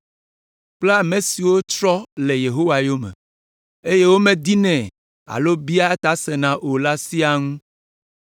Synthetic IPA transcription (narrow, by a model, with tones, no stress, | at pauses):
k͡ple˦a˨me˨si˨wo˦t͡ʃɾɔ˦le˨je˨ɦo˦wa˨jo˦mɛ̰̃˨ | e˦je˦wo˦mẽ˨d̪i˦nɛ̃˨ | a̰˨lo˦bi˦a˦t̪a˨˦sɛ˨nã˨ʔo˨la˦si˦a˨ŋũ˦